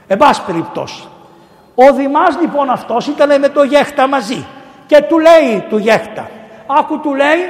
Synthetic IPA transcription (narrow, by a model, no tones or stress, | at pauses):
ebɐsi̥pe̞ɾip̚t̪o̞̰si̥ | oðimɐzlipo̞nɐft̪o̞sit̪ɐnemet̪o̞ʝe̞xt̪ɐmɐzi | ce̞t̪ule̞it̪uʝe̞xt̪ɐ̰ɐkut̪ule̞i